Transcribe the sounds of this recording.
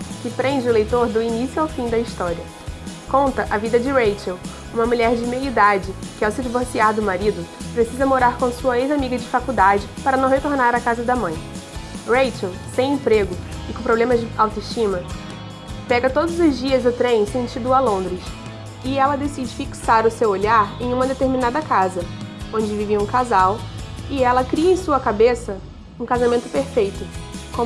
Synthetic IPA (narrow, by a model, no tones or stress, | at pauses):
kɪpɾẽd͡ʒɪʊlejt̪oɾd̪ʊinisjuawfĩd̪ɐist̪ɔɾiɐ | kõnt̪ɐʔɐvid̪ɐd͡ʒɪɾejt͡ʃɛw | ũmɐmuʎɛɾd͡ʒɪmelid̪ad͡ʒɪkɪawsɪd͡ʒivoɾsiaɾd̪ʊmaɾid̪ʊpɾesizɐmoɾaɾkõsuɐejzamiɡɐd͡ʒɪfakud̪ad͡ʒɪpaɾɐnɐ̃w̃ɦet̪oɾnaɾɐkazɐd̪ɐmɐ̃j̃ɾejt͡ʃɛwsẽj̃ẽpɾeɡʊɪkõpɾoblẽmɐzd͡ʒɪawt̪ʊiʃt͡ʃĩmɐ | pɛɡɐt̪od̪ʊzʊzd͡ʒiɐzd̪ʊt̪ɾẽj̃sẽnt͡ʃid̪ʊalõnd̪ɾɪs | ɪɛlɐd̪esid͡ʒɪfiksaɾʊsewoʎaɾẽj̃ũmɐd̪et̪eɾminad̪ɐkazɐõd͡ʒɪviviɐũkazawɪɛlɐkɾiɐẽj̃suɐkabesɐ | ũkazamẽnt̪ʊ̥peɾfejt̪ʊkõ